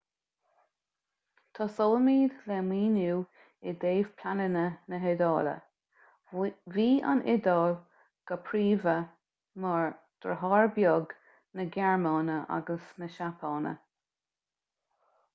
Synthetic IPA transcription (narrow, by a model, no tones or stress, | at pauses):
t̪ʰɑsɔːlmiːdlɛmiːnuː | ɪd̪eːv̥pʰlanɪnənəɦɪd̪ɑːlə̰ | viːa̰nʔɪd̪ɑːl | ɡ̥əpʰɾiːvə | mɑɹ | d̪̥ɾəɦɑːɹbjɔɡ | nəɡɛɹmɑːnəʔa̰ɡəsnəʃapʰɑːnə̰